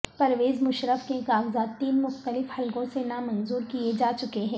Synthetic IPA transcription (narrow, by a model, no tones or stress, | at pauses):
pɐɾʋeːzmʊʃɾəfkekaːɡzaːd̪t̪ːiːnmʊxt̪əlɪfhɐlkõsenamɐ̃nzuːɾkied͡ʒaːt͡ʃʊkeɦɛ̃ː